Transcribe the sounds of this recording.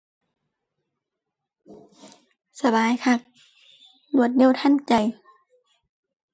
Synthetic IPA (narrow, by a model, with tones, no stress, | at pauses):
sa˧baː˨jkʰa˧˩k̚ | lu˧˩ət̪̚ne˧˥˨t̪ʰa˧˥˨nt͡ɕa˨˩j